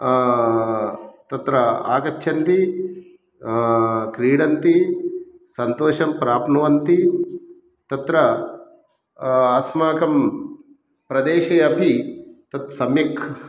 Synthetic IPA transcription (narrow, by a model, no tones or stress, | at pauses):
t̪ɐt̪ɾɐa̰ːkɐt͡ʃːʃʰɐnt̪i | kɾiːɽɐnt̪i | sɐnt̪oːʃɐmpɾaːpnɐʋɐnt̪i | t̪ɐt̪ɾɐ | ɐsmaːkɐm | pɾɐd̪eːʃɐjɐbʱit̪ɐt̪sɐmikʰ